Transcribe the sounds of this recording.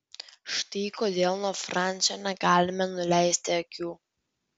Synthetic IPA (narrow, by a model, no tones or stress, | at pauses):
ʃt̪ɐɪkoːd̪ʲeːlˠnoːfɾɑˑnʲsʲonʲɛɡɑːlʲɪmʲɛnʊlʲæˑɪsʲt̪ʲɪɐkʲuː